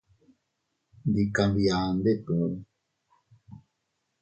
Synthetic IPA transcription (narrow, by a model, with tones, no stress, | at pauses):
nd̪i˨ka˨nbi˨aː˨nd̪e˦ɗũː˨˦